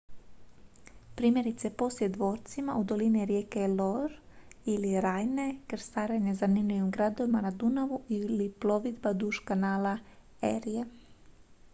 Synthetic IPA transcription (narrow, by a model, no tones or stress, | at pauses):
pɾiːme̞ɾit̪se̞po̞sljed̪ʋo̞ːɾt̪simaud̪o̞liniɾjeːkeloɾiliɾaːjne̞kɾ̩st̪aːɾeɲezanimlʲiʋimɡɾad̪o̞ʋimanad̪unaʋuiliplˠo̞ʋid̪bad̪uʃkanaːla | eɾije